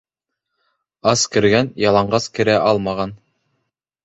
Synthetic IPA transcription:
ɑskɘ̆ɾɡænjɑlˠɑɴɢɑskɘ̆ɾæʔɑlˠmɑʁɑn

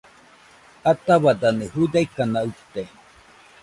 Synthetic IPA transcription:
at̪aβad̪anehud̪aikanaut̪e

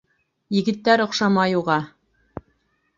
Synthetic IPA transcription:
jɘ̆ɡɘ̆t̪ːæɾŏqʃɑmɑjuʁɑ

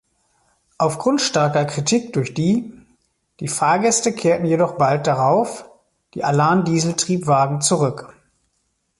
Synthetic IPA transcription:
ʔaʊfɡ̥ʁʊntʃtaɐkɐkʁ̥itʰik̚d̥ʊɐçd̥iː | d̥iːfaːɐɡɛstəkʰeːɐtn̩jedɔχb̥alt̚d̥aʁaʊf | d̥iːʔalaɐmdiːzl̩tʁ̥iːpv̥aːɡŋ̩t͡suʁʏk

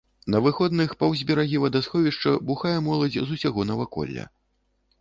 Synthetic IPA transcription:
nɐvɨxɔd̪nɨxpɐwzʲbʲɛɾaɣʲivɐd̪asxɔvʲiʂt͡ʂɐbuxajɛmɔlˠɐd͡zʲzusʲaɣɔnɐvakɔ̰lʲːɐ̰

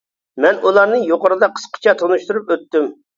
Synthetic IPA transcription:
mɛnʔulˠɑɾnɨjoqəɾɨd̪ɑqʰə̥sqʰə̥t͡ʃʰɑt̪ʰonuʃt̪uɾupøt̪ːym

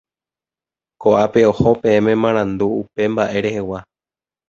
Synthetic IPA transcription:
ko̞ʔape̞o̞hopẽ̞ẽmẽ̞mãɾ̃ãnd̪uːpe̞mbaʔe̞ɾe̞he̞wa

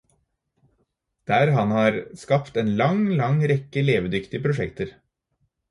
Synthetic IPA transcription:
d̪̥æːɾɦɑnhɑːɾskɑpt̪eːnlɑŋlɑŋɾɛkəleːʋəd̪ʏkt̪ɪəpʰɾʊʃɛkt̪əɾ

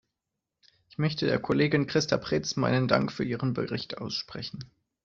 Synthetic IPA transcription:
ʔɪçmœçtədeːɐkʰoleːɡɪnkʁ̥ɪstapʁ̥ɪːt͡smaɪnənda̰ŋkfyːɐʔiːʁənbə̰ʁɪçtʰʔa̰ʊsʃpʁ̥ɛçn̩

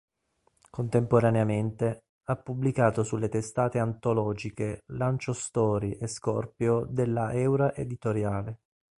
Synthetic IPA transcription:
kont̪empoɾaneament̪e | apːublikaːt̪osulːet̪est̪aːt̪eant̪olɔːd͡ʒikelant͡ʃost̪ɔːɾiʔeskɔrpjod̪elːaʔɛwɾaʔed̪it̪oɾjaːle

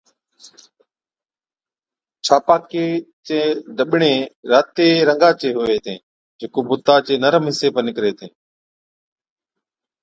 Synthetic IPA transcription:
t͡ʃʰaːpaːkeːt͡ʃẽːɖəɓɳẽːɾaːt̪eːɾəŋɡaːt͡ʃeːɦoːeːt̪ʰẽː | d͡ʒeːkoːbʊt̪aːt͡ʃeːnəɾəmɦɪseːpənɪkɾeːt̪ʰẽː

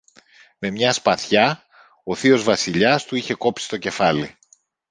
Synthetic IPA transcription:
me̞mɲɐspɐθçɐ | o̞θio̞zvɐsiʎɐst̪uiçe̞ko̞psi̥st̪o̞ce̞fɐli

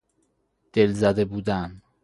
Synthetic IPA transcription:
d̪̥e̞lzæd̪ebuːd̪æn

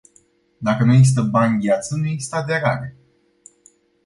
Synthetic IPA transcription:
d̪akənueis̬t̪əbanʲɡʲijat̪sənueist̪əad̪e̞ɾaɾe

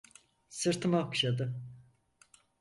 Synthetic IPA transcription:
sɯɾt̪ʰɯmakʃad̪ɯ

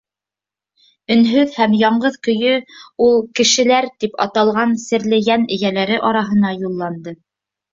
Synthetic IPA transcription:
ɵ̆nɦɵðhæmjɑɴɢɤðkɵ̆jɵulˠkɘ̆ʃɘ̆læɾt̪ipɑ̰t̪ɑlˠʁɑnsɘ̆ɾlɘjænɘ̆jælæɾɘʔɑɾɑɦɤ̆nɑjulˠːɑnd̪ɤ

